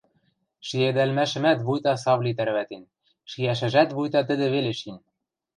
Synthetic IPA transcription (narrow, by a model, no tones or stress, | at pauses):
ʃied̪ælmæʃɘ̆mæt̪βujt̪ɑsɑβlʲit̪æɾβæt̪en | ʃijæʃ̬ɘ̆ʒæt̪βujt̪ɑt̪ɘ̆d̪ɘ̆βeleʃinʲ